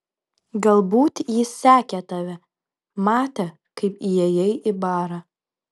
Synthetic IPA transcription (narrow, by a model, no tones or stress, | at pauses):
ɡɐlˠbuːt̪jɪsːʲæːkʲɛt̪ɐʋʲɛ | mɑːt̪ʲɛ | kɐɪpijɛjɛɪʔɪbɑːɾɐ